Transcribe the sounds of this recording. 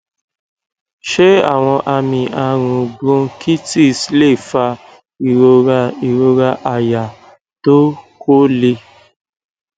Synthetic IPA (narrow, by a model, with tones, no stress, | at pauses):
ʃe˦a̰˦˨w̃ɔ̃˧ʔa˧mĩ˧ʔa˧ɾ̃ũ˧bɾũ˦ki˦ti˦˨sle˦˨fa˧ | i˨ɾo˧ɾa˧i˨ɾo˧ɾa˧ʔa˨ja˨ | to˦ko˦le˧